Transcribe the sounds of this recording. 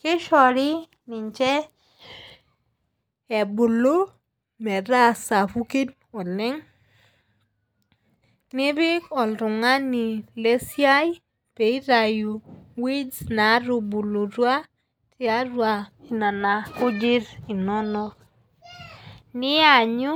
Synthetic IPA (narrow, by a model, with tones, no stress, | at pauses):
kɪ˦ʃɔ˨ɾɪ˦ | nɪ˨ɲt͡ʃɛ˦ | ɛ˨bu˨lo˦ | mɛ˨ɾa˦sa˨fu˦ki˦n | ɔ˨lɪ˦ŋ | nɪ˦bɪ˦kɔ˨lɾʊ˨ŋa˦ni˨le˦sja˦j | pe˨i˦ɾa˨ju˨wi˦d͡ʒna˨˦ɾu˨bu˨lo˨ɾwa˦ | tɪ˦a˦ɾwa˨i˨na˨na˨kʊ˦d͡ʒi˦ɾi˨nɔ˦nɔ˦ | nɪ˦a˨ɲʊ˦